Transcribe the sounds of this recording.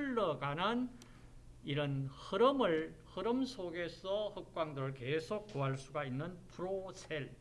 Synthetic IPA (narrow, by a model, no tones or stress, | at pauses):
ɭːʌkanan | iɾʌnhɯɾɯmɯɭhɯɾɯmsʰoɡe̞sʰʌhɯk̚k͈waŋdɯɾɯɭkesʰok̚k͈oɦaɭs͈uɡainːɯnpʰuɾosʰeɭ